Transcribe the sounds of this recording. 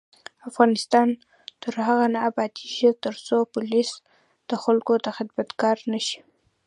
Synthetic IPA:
afɣɑnɪst̪ɑn | t̪əɾhaɣanabat̪iʒit̪əɾsopʊlis | d̪̥əxalkod̪əxɪd̪mat̪kɑɾnaʃi̥

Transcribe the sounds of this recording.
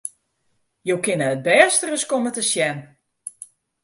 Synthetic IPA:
jowkɪnəət̚bɛːstərəskomətəsjɛn

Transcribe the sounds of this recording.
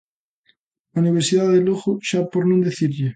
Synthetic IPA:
auniβ̞eɾsiðaðeloɣoʃapoɾnõnd̪eθiɾʎe

